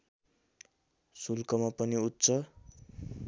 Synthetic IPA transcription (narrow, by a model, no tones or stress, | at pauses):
sulkʌmapʌniut̪ːt͡sʰʌ